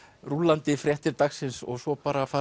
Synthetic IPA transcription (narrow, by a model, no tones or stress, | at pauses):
rulant̪ɪfɾjɛht̪ɪɾt̪axsɪnsɔ̰ɣsɔpaːɾafaː